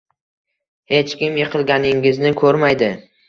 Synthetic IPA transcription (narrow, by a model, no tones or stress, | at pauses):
he̞t͡ʃkʲɪmjɨqʰɨlˠɡʲanɪŋɪznɪkʰɵɾmajd̪ɪ